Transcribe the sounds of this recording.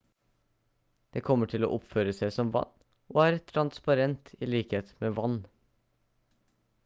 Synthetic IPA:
d̪̥eːkʰɔmːəʈʰɪlo̰ːʔɔpføːɾəsæɪsɔmʋɑ̰nː | ʔoːæɾt̪ʰɾɑnspɑɾɛnt̪ʰiːliːkheːt̪meːʋɑnː

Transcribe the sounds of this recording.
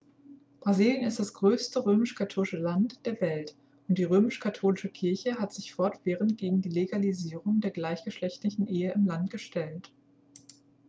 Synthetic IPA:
b̥ʁaziːljənɪstd̥asɡ̥ʁøːstəʁøːmɪʃkʰatʰoːlɪʃəlantd̥eːɐvɛlt | ʔʊnt̚d̥iːʁøːmɪʃkʰatʰoːlɪʃəkʰɪɐçəɦatz̥ɪçfɔɐtv̥eːʁəntɡ̥eːɡŋ̩diːleɡaliziːʁʊŋdeːɐɡlaɪçɡ̥əʃlɛçtlɪçn̩ʔeːəɪmlantɡ̥əʃtʰɛlt

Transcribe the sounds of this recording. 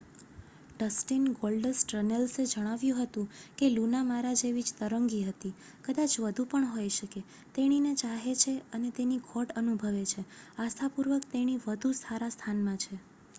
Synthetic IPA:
ɖəsʈinɡolɖəsʈɾənelsed͡ʒəɽ̃aʋjũɦət̪ũkelunamaɾad͡ʒeʋid͡ʒt̪əɾəŋɡiɦət̪i | kəd̪at͡ʃʋəd̪ʱupəɳɦojʃəke | t̪eɽ̃inet͡ʃaɦet͡ʃʰeənet̪eniɡʰʱoʈənubʱəʋet͡ʃʰeast̪ʰapuɾʋəkt̪eɽ̃iʋəd̪ʱusaɾast̪ʰanmãt͡ʃʰe

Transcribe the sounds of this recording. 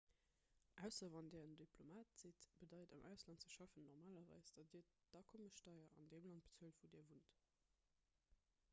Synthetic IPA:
ʔæʊsɐvɑndɛːʁəndipʰlomaːtz̥itb̥ədɑɪdɑ̰mʔæʊslɑnt̚t͡səʃɑfənːɔʁmaːlɐvɑ̰ɪsd̥ɑdiːɐd̥ɑkʰoməʃtɑɪɐɑ̰ndeːmlɑnt̚bə̥t͡suəltvudɛːɐvunt

